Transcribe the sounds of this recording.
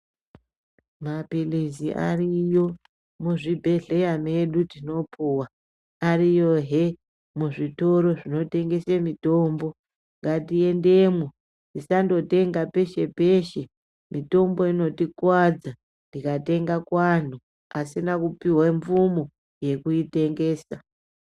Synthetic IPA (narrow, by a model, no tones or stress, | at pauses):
mapiliziʔa̰rijo̞ | muʐibʱe̞ɮe̞jame̞ɗutino̞pʰuwa | arijo̞ɦe̞ | muʐito̞ɾo̞ʐino̞te̞ŋɡe̞semito̞ːmbo̞ | ŋɡatie̞nde̞mwo | ndisando̞te̞ŋɡape̞ʃe̞pe̞ʃe̞ | mito̞mbo̞ino̞tikwad͡za | ndikate̞ŋɡakwan̤u | asinakupiweɱvumo | je̞kuite̞ŋɡe̞ːsa